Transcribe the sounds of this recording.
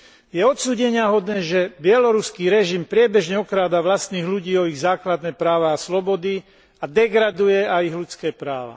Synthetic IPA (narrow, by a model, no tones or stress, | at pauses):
jɛɔt̪suːɟɛɲɪaɦɔd̪nɛːʒɛbɪɛlɔɾuskiːɾɛʒimpɾɪɛbɛʒɲɛɔkɾaːd̪aʋlast̪niːɣluɟiːɔiɣzaːklad̪nɛːpɾaːʋaːslɔbɔd̪i | ad̪ɛɡɾad̪ujɛajiɣlut͡skɛːpɾaːʋa̰